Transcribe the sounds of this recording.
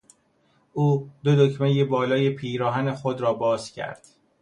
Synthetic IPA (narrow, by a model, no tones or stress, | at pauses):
ʔuːd̪̥od̪ocʰmejebɒːlɒːjepʰiːɾɒːɦæne̞xod̪ɾɒːbɒːz̥cʰæ̰ɾd̪̥